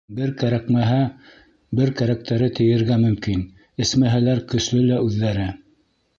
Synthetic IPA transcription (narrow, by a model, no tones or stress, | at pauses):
bɘɾkæɾækmæɦæ | bɘɾkæɾæk̚t̪ʰæɾɘt̪ʰɘ̆jɘ̆ɾɡæmɵ̆mkin | ɘ̆smæɦælæɾkɵ̆ʃlɵlæʉðːæɾɘ